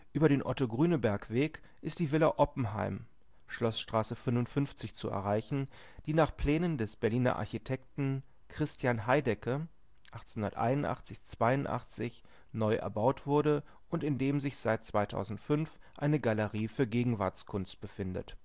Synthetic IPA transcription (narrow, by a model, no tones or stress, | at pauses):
ʔyːbɐɾeːnʔɔtoɡʁyːnəbɛɐkv̥eːk | ʔɪstd̥iːvɪlaʔɔpm̩ha̰ɪm | ʃlɔsʃtʁ̥aːsəfʏnvʊntfʏnft͡sɪçt͡suɛ̰ɐʁaɪçn̩ | d̥iːnaːχpl̥ɛːnəndɛsb̥ɛɐliːnɐ̰ʔa̰ɐçitʰɛk̚tn̩ | kʁ̥ɪstʰjanɦaɪdɛkə | ʔaχtt͡snʊnɐ̰tʔa̰ɪnʊntʔa̰χt͡sɪçt͡sv̥aɪʊntʔa̰χt͡sɪç | nɔʏʔɛ̰ɐbaʊtv̥ʊɐɾə | ʔʊntɪndeːmzɪçz̥aɪt̚t͡sv̥aɪtʰa̰ʊzn̩tfʏnf | ʔaɪnəɡaləʁiːfyːɐɡeːɡŋ̩vaɐt͡skʰʊnst̚b̥əfɪndə̰t